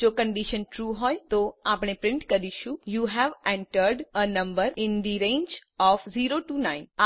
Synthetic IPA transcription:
d͡ʒokə̃ɳɖiʃənʈɾuɦɔjt̪oapɳ̃epɾɪ̃ɳʈkəɾiʃũjuːɦɛʋɛ̃ɳʈəɾɖənə̃mbəɾɪ̃nd̪iɾẽːnd͡ʒɔfziɾoʈunãɪ̃na

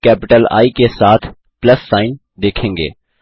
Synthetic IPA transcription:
kɛːpɪʈəla̰ːikesaːt̪ʰ | pləsːaːɪn | d̪eːkʰẽːŋɡḛː

